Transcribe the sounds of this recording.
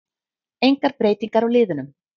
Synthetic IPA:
ejŋkaɾpɾeːjt̪iŋkaɾaɣlɪːðʏnʏm

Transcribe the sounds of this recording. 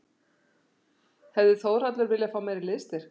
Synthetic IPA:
hɛvðɪθoːwr̥at̪lɛɾvɪljafaːwmaːjɾɪlɪðst̪ɪɾ̥

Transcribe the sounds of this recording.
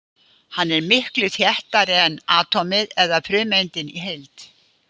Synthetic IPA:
hanːɛɾmɪhklʏθjɛht̪aɾɛɛnaːt̪ʰɔmɪðɛðafʰɾʏːmejnt̪ɪnḭɦejlt̪

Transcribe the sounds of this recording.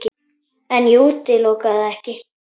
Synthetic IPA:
kɪ | ɛnjuːt̪ːɪlowkaðaɛhkɪ

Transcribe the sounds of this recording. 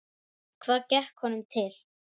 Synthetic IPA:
kʰv̥aːðcɛhkhɔnʏmt̪ʰɪl̥

